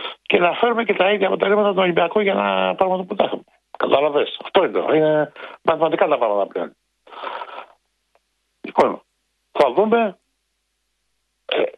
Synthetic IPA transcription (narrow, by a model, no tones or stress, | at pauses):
cenɐfe̞ɾumecet̪ɐiðjɐpo̞t̪eɾimɐt̪ɐt̪onolimbiɐkoʝɐenɐ̰pɾɐɣmɐt̪ɐput̪ɐxɐme | kɐt̪ɐlɐvesɐft̪oinḛinemɐθimɐnt̪ikat̪ɐpɾɐɣmɐt̪ɐplo̰ni | ikomo | θɐðume̞ | ḛ